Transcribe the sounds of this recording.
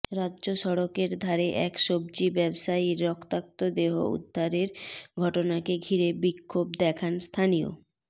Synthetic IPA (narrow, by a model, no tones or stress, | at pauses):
ɾadːʑoʃɔɽokeɾd̪ʱaɾeʔɛkʃob̚d͡ʑibɛbʃaiɾːɔkt̪ak̚t̪od̪eɦo̰ṵd̪ʱːaɾeɾɡʱɔʈonakeɡʱiɾebikʰːobd̪ɛkʰanst̪ʰanijo̰